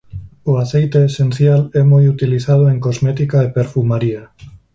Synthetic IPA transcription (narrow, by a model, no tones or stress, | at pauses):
ʊaθejt̪eːsenθjalɛmojut̪iliθað̞ʊeŋkozmɛt̪ikaepeɾfumaɾia